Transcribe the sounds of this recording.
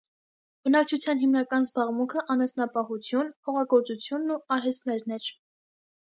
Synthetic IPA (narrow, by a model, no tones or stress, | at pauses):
b̥ənɑk̚t͡ʃʰut͡sʰjɑnɦimnɑkɑnzbɑʁmuŋkʰəʔɑnɛsnɑpɑhut͡sʰjunhʰɔʁɑɡɔɾt͡sut͡sʰjunːuɑɾɦɛst̪nɛɾnɛɾ